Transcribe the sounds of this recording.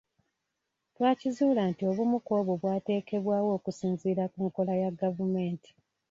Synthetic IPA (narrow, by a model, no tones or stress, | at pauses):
twaːcizuːlantio̞βumuko̞ːβoβwaːte̞ːke̞βwaːwo̞ːkusiːnziːɾakuːŋko̞lajaɡavume̞ːnti̥